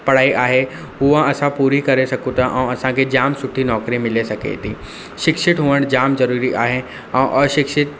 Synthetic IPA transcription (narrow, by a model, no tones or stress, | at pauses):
pɐɽ̤aːiʔaːɦe | ɦʊãɐsãpuːɾikɐɾesɐkũt̪ʰaʔɛ̃ːɐsãkʰed͡ʑaːmsʊʈʰːinɔːkɾimɪlesɐkʰḛt̪ʰḭː | ʃɪkʃɪʈɦuːəɽ̃d͡ʑaːmzɐɾuːɾiʔaːɦe | ɛ̃ʔɔːɾʃɪkʃɪt̪̚